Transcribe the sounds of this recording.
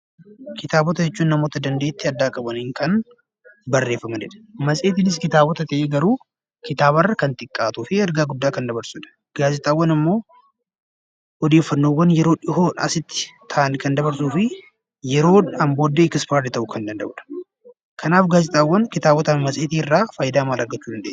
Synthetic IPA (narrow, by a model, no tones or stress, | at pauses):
kɪt̪aːbɔt̪ɐd͡ʒɛt͡ʃːuːnnɐmoːt̪ɐd̪ɐnd̪e̞ːt̪ːɪɐd̪ːaːkʼɐbɐniːŋkɐn | bɐrːe̞ːfːɐmɐnd͡ʒɛᶑɐ̥mɐsʼeːt̪ɪnɪs̬kɪt̪aːbɔt̪ɐt̪ɐʔeːɡɐɾuː | kɪt̪aːβɐrːɐkɐnt̪ʼɪkʼːaːt̪uːfɪɛɾɡaːɡʊd̪ːaːkɐnd̪ɐβɐɾsʊᶑɐ̥ | ɡ̥aːzɪt̪ʼaːwːɐnɪmːo̞ː | ɔd̪eːfːɐnːo̞ːwːɐnjɛɾo̞ːᶑɪhoːnɐsɪt̪ːɪ̥t̪ʰaːnkɐnd̪ɐbɐɾsuːfɪ | jɛɾo̞ːnɐmbo̞ːd̪ːeːkɪspaːɾt̪ɪt̪ɐʔʊkʰɐnd̪ɐnd̪ɐ̰bᶑɐ̥ | kʰɐnaːfɡaːzɪt̪ʼaːwːɐnkɪt̪aːbɔt̪ɐmɐsʼeːt̪iːɪrːaːfaːjɪd̪aːmaːlɐɾɡɐt͡ʃːuːd̪ɐnd̪eː